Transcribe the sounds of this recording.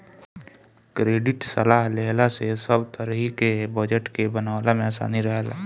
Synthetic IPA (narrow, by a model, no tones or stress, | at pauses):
kɾeːɖɪʈsəlaːɦleɦlasesəbt̪əɾəɦikebəd͡ʒəʈkebənaːwlamẽəsa̰ːniɾəɦəla̰